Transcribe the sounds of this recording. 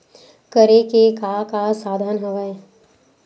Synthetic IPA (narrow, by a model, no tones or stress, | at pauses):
kəɾekekaːkasaːd̪ʱanɦɐʋae